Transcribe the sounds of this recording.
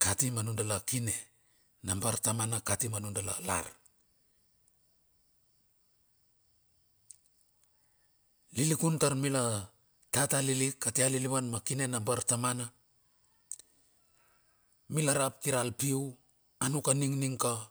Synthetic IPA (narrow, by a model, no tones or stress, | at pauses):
katimanundalakine̞ | nambaɾtamanakatimanundala̰la̰ɾ | lilikuntaɾmila | tatalilikːatealiliβanmakine̞nambaɾtamana | milaɾap̚kiɾalpiw | anukaniŋniŋka